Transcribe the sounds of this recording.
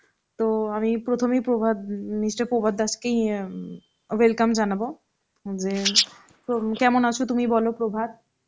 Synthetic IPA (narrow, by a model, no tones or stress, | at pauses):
t̪oamipɾot̪ʰomipɾobʱad̪̚nisʈapobʱad̪at͡ɕkej | welkamd͡ʑanabo | d͡ʑe | pokɛmonat͡ɕʰot̪umibɔlopɾobʱad̪̚